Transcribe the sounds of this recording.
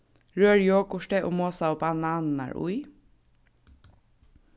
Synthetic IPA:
ɹøːɹjoːkʊʃʈɛʔoːmoːsaoːbɑnɑːnnɑ̰ɹʊ̰ɪ

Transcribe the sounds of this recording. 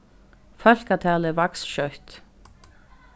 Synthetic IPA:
fœl̥kat̪ʰɛːlɛɾvaksʃœht̪

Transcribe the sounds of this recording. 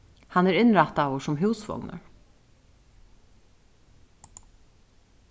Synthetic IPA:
hɑnæːɾɪnɹæt̪ɑʋoːʃɔmɦʉːsʋɔ̰ŋnə̰ɹ

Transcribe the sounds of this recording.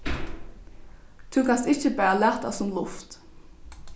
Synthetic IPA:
t̪ʰʉkʰanst̪ɪçəbæːalæt̪a̰sʊmlʊft̪

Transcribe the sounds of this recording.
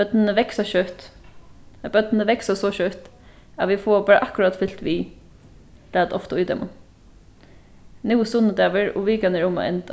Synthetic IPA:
œd̪nənəʋɛksɑʃœt̪ | b̥œt̪nəʋɛksɑsɔʃœt̪ | ɑʋɪfoːbɑːɾəʔɑkʊɾɑt̪fʏlt̪ʋiː | l̥æːd̪ɔft̪əuːd̪̰mʔʊ | nuːsʊnəd̪ɛːʋəɹɔ̰ʋiːkɑnɛɹʊma̰ʔɛ̰nt̪

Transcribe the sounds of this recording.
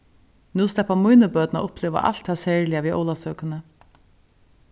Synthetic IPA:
nuːst̪ɛpːamujnəbœːt̪na̰ʔʊpleːʋa̰ʔa̰l̥t̪ʰhaːsɛːɹlɪaʋiːʔo̰ːlasœːkənə

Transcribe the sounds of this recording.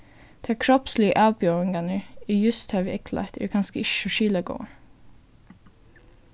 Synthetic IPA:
d̪̥eæːkʰɾɔpslɪəʔɑːʋbøːɹɪŋɡɑnəiːjʉst̪hɑːʋəʔɛkʰlʔɑ̰t̪ʰɪ̰ːɾkʰɑnskəɪʃʉʃiːlɑɡo̰ː

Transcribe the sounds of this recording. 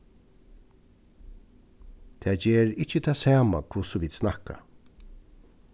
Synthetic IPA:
t̪ʰɛːd͡ʒeːɹɪht͡ʃːət̪ʰaːsaːmakʰvʊsʊʋiːd̪snaka̰

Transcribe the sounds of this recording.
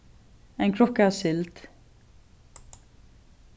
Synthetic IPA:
ɛːnkʰɾɔkːasʏlt̪

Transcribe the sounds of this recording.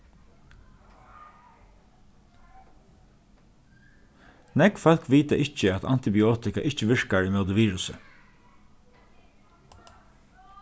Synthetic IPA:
nɛkfɔl̥kʋiːt̪aʔɪt͡ʃəat̪a̰nt̪ɪbɪoːt̪ɪka̰ʔɪt͡ʃəʋɪɹkaɹimœd̪əʋiːɹʉsə̰

